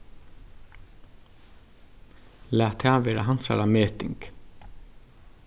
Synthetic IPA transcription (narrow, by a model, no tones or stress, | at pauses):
læːt̪hæːʋeːɾa̰ɦansa̰ɾameːt̪ɪ̰ŋk